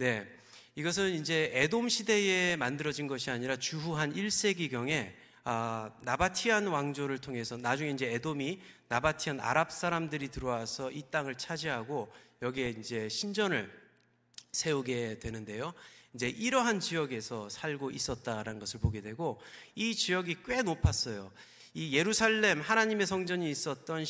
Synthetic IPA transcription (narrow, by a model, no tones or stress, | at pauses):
ne̞ | iɡʌs̬ʰɯnind͡ʑe̞edomɕʰide̞emandɯɾʌd͡ʑinɡʌɕʰiaɲiɾat͡ɕuɦuɦaniɭs͈e̞ɡiɡjʌŋe̞ | ʌnabatʰiɦanwaŋd͡ʑoɾɯɭtʰoŋɦe̞sʰʌnad͡ʑuŋe̞ind͡ʑe̞edominabatʰiɦana̰ɾap̚s͈aɾamdɯɾitɯɾʌwasʰʌit͈aŋɯɭt͡ɕʰad͡ʑiɦaɡojʌɡieind͡ʑe̞ɕʰind͡ʑʌnɯɭ | sʰe̞uɡe̞dwenɯnde̞joind͡ʑe̞ʔiɾʌɦant͡ɕijʌɡe̞sʰʌsʰaɭɡoʔis͈ʌt̚t͈aɾanɯnɡʌsʰɯɭpoɡe̞dwe̞ɡoit͡ɕijʌɡik͈we̞nopʰas͈ʌjo | ije̞ɾusʰaɭːe̞mhanaɲime̞sʰʌŋd͡ʑʌɲiːs͈ʌt̚t͈ʌn